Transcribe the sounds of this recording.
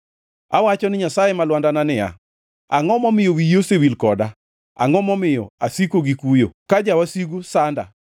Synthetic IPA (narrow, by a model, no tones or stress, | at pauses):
awat͡ʃɔnɪɲasajemalwandananɪja̰ | a̰ŋɔmɔmɪjowijosewilkɔda | a̰ŋɔmɔmɪjɔ̰asikoɡikujo̰kad͡ʒawasiɡusanda̰